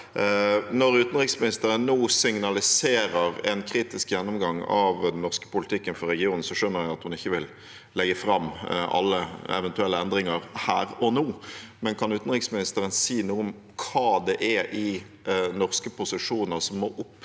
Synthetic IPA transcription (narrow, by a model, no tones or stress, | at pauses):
nɔɾʉːt̪ən̩ʁɪksmɪnɪst̪əɾənːuːsɪŋnɑlɪseːɾəɾɛnkʰɾiːt̪ɪskjɛnːɔmɡɑŋɑ̰ʋd̪nːɔʁskə̥pʊlɪt̪ʰɪkːənfɔɾɛɡɪuːnn̩sɔʂœnːəɾɛɑt̪hʊnɪçːəʋɪl | lɛɡəfɾɑmːʔɑ̰lːəɛ̰ʋɛnt̪ʉɛlːəɛnd̪ʁɪŋəʁhæːɾɔnuːmɛnkʰɑnʉːt̪n̩ʁɪksmɪnɪst̪əɾənsiːnuːʊm | kʰɑːd̪ɛʔɛʔɪ | nɔʁskəpʊsɪʂuːnəʁsɔmːɔʔʊpː